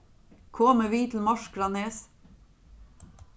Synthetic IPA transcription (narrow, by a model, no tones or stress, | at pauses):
kʰɔːməʋiːt̪ʰl̩mɔʃɡɾɑneːs